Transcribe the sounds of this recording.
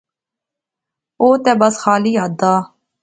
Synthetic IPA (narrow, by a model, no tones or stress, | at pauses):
oːt̪ɛːbəsxaːliːɦad̪aː